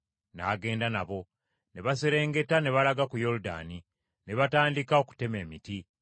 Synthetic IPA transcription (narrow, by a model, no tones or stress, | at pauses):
na̰ːɡe̞ːndanaβo̞ | ne̞βaseɾe̞ːŋɡe̞tane̞βalaɡakujo̞ɾuda̰ni | ne̞βataːndikaoku̥te̞me̞ːmiti